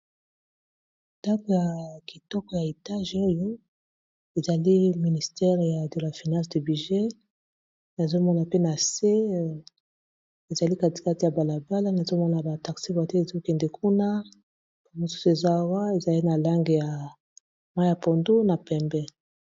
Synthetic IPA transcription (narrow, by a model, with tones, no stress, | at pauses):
nda˦ko˨ja˨ki˨tɔ˦kɔ˨ja˨e˨ta˦ʒo˦jo˦ | e˨za˨li˦mi˨ni˨stɛ˦ʁja˨de˨la˨fi˨nã˦sde˨bi˨ʒe˦ | na˨zo˦mɔ˦na˨pe˦na˨se˦ | e˨za˨li˦ka˦ti̥˨ka˦ti˨ja˨ba˨la˨ba˦la˦na˨zo˦mɔ˦na˨ba˨ta˨ksi˦ba˨te˦e˨zo˦kɛ˨ndɛ˨kʰu˦na˦ | po˦mo˨su˦su˦e˨za˦˨wa˦e˨za˨li˦na˨la˦ŋɡe˨ja˨ | mwa˦ja˨po˨ndo˦na˨pɛ˨mbɛ˦